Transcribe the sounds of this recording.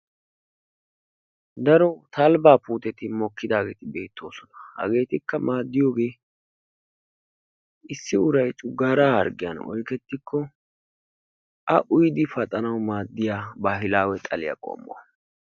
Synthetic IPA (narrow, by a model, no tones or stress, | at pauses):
d̪ɐɾɔt̪ɐlbaːpuːt̪ɛt̪ɪmɔkːɪd̪aːɡe̞ːt̪ɪbe̞ːt̪ʰːo̞ːsɔnɐ̥hɐ̰ɡe̞ːt̪ɪkːɐmaːd̪ːɪjoːɡe̞ː | ɪsːɪʊɾɐjt͡ʃʼʊɡːaːɾaːhɐ̰ɾɡɪjɐ̰nɔ̰jkɛt̪ːɪkʰːɔ | ʔɐʔʊjd̪ɪfɐt̪ʼɐnɐwmaːd̪ːɪjaːbaːɦɪlaːwɛt̪ʼɐlɪja̰kʼo̰ːmːʊ̰wɐ